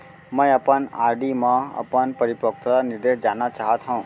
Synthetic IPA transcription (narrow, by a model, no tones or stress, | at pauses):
mə̃jəpənaɾɖimãə̰pənpəɾipək̚t̪ɾanɪɾd̪eɦd͡ʒanat͡ʃaɦət̪ɦə̃ũ